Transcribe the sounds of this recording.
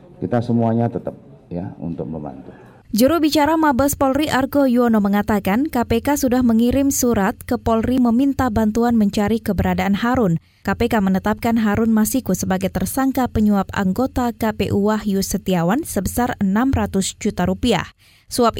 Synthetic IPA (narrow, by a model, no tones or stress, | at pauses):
kit̪asəmuaɲat̪ət̪əp̚ | jaṵnt̪ʊk̚məmba̰nt̪u | d͡ʒuɾuhbit͡ʃaɾamabəspɔlriʔarɡojuonoməŋat̪akankapekasudahməŋiɾɪmsuɾat̪̚kəpɔlriməmint̪abant̪uanməɲt͡ʃaɾikəbəɾadaʔanhaɾʊn | kapekamənət̪ap̚kanɦaɾʊnmasikusəbaɡajt̪ərsaŋkapəɲuapa̰ŋɡot̪akapeʔuahjusət̪iawansəbəsarənamrat̪ʊsd͡ʒut̪aɾupia̰h | suap̚